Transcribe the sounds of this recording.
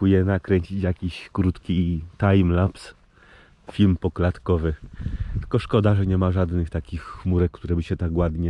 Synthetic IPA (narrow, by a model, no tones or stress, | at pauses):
ujɛnakɾɛɲt͡ɕit͡ɕjakʲiɕkɾut̪kʲit̪ajmlaps | fʲilmpɔklat̪kɔvɘt̪kɔʂkɔd̪aʐɛɲɛmaʐad̪nɘxt̪akʲixːmuɾɛkkt̪uɾɛbɘɕɛt̪aɡɡwad̪ɲɛ